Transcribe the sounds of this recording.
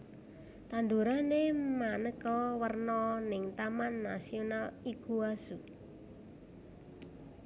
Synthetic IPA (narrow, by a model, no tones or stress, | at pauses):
t̪and̪uɾanemanəkɔwərnɔnɪŋt̪amanːa̰sionaliɡ̥uasu